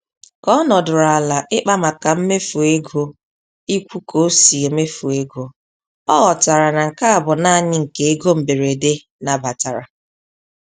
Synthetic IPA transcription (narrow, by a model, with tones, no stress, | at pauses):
kɔ˦ɔ˦nɔ˨dʊ˨ɾa˨la˨ʔɪ˦k͡pa˦ma˨ka˨m̩˦me˦fu˨e˦ɡo˦ | i˦kʷu˦kʰo˦si˨e˨˦me˦fu˨e˦ɡo˦ | ɔ˦ɣɔ˨ta˨ɾa˨na˨ŋ̩˨ka˦a˨bʊ˨naː˦˨ɲɪ˦ŋ̩˨ke˨e˦ɡo˦m̩˨be˨ɾe˨de˦ | na˨ba˨ta˨ɾa̰˨